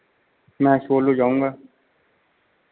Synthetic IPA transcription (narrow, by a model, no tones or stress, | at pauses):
mɛ̃ːʃoːloːd͡ʒaːũːɡaː